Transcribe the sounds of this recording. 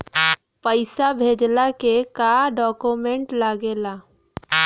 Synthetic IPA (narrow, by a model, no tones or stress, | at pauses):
pəɪsabʱeːd͡ʒlakekaɖɔːkumẽɳʈlaːɡeːlaː